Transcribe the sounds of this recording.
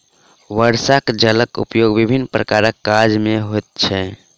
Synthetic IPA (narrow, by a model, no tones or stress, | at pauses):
ʋəɾsakd͡ʒələkṵpjoɡbibʱinːpɾəkaɾəkːad͡ʒmeɦojt̪̚t͡ʃʰɛ